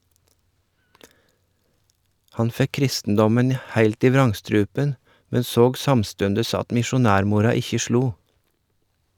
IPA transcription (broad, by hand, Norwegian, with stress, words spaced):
ˈhɑn ˈfɛk ˈkɾɪstn̩dɔmən ˈhæɪlt ˈiː ˈʋɾɑŋˌstɾʉːpən ˈmɛn ˈsoːɡ ˈsɑmˌstʉndəs ˈɑt mɪʃʊˈnæːɾˌmuːɾɑ ˈɪçə ˈʃɭuː